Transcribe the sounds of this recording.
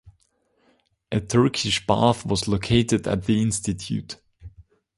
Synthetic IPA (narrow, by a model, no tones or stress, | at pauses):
ʔɨtʰɜ˞kʰɪʃb̥ɑ̰θwʌzloʊkʰeɪtɨdə̰t̪̚ðiɪ̃nstɨtʰjʉ̰t